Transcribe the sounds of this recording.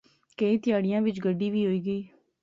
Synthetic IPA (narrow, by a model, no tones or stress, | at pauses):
kəiːt̪ɪjaːɽɪjãːʋɪt͡ʃɡəɖːiːʋiːɦoːiːɡəiː